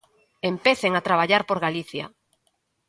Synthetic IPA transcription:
empeθeŋat̪ɾaβ̞aʎaɾpoɾɣaliθja̰

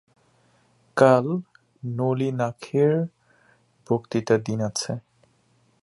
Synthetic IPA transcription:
kal | nolinakʰeɹ | b̥ʱokt̪itad̪inat͡ɕʰe

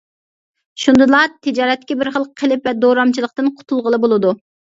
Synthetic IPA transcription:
ʃund̪ɨlˠɑt̪ʰɪd͡ʒɑːɾɛt̪̚ːkʲɛbɪɾχəlˠqʰːəlɪpvɛd̪oɾɑmt͡ʃʰilˠəq̚t̪ɨnqʰʊ̥t̪ʰulˠʁəlˠɨbolˠɨd̪u

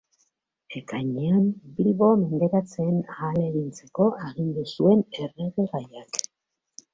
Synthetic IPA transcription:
e̞kajɲeambilβo̞me̞nd̪e̞ɾat͡se̞ːnaːle̞ɣint͡se̞ko̞ʔeɣind̪usue̞ne̞reɣeɣajak

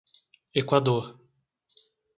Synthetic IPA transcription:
ekwad̪oɾ

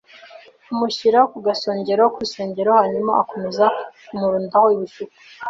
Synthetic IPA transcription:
umuçiɾahokuɡaso̞ːɲɟe̞ɾaokuɾuse̞ːɲɟe̞ɾohaɲumaako̞me̞zaumuɾuːndahoiβuʃuku̥

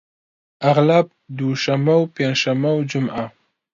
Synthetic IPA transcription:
aɣlab̚ | d̪uʃamawpenʃamawd͡ʒʊmʔa

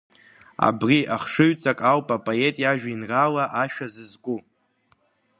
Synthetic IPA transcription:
a̰briʔaχʂɨɥt͡sʼakʼawpʼapʼoe̞tʼjaʒᶣainralaʔaʃᶣazɨzɡʷu

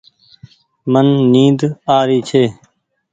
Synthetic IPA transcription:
mənːĩːd̪aːɾiːt͡ʃʰeː

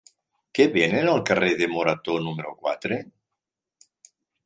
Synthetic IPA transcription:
keβenenalˠkareðemoɾat̪onumeɾokwa̰t̪ɾe

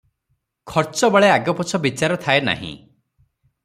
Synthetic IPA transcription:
kʰɔɾt͡ʃɔbɔɭeaɡɔpɔt͡ʃʰɔbit͡ʃaɾɔt̪ʰaena̰ɦḭ̃

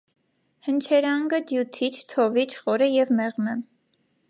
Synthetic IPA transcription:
hənt͡ʃʰɛɾɑŋɡəd̪jut̪ʰit͡ʃʰt̪ʰɔvit͡ʃʰχɔɾəjɛvmɛʁmɛ

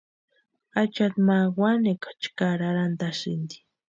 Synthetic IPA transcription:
at͡ʃat̪mawanekḁt͡ʃkaɾaɾand̪aʃḭnd̪i̥

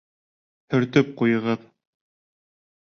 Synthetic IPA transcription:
hɵ̆ɾt̪ɵp̚qujɤ̆ʁɤð

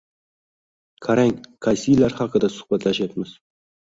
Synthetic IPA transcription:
kʰaɾaŋʲkʰasijlaɾχɑqəd̪ɑsʊ̥χpat̪laʃat̪mɪz̥

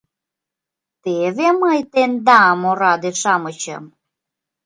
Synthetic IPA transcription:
t̪eβeməjt̪end̪ɑmoɾɑd̪eʃɑmɤt͡ɕə̰m

